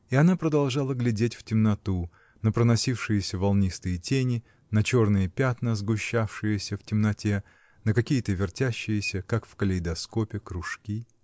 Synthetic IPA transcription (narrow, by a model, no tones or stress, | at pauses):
iɐnapɾəd̪ɐlˠʐalˠəɡlʲɪdʲetʲftʲɪmnɐt̪u | nəpɾənɐsʲifʂɨjɪsʲəvɐlˠnʲist̪ɨjətʲenʲɪ | nɐt͡ɕo̞rnɨjəpʲat̪nəzɡʊɕːafʂɨjəsʲəftʲɪmnɐtʲe | nəkɐkʲijət̪əvʲɪrtʲæɕːɪjɪsʲəkakfkəlʲɪjd̪ɐsko̞pʲɪkɾʊʂkʲi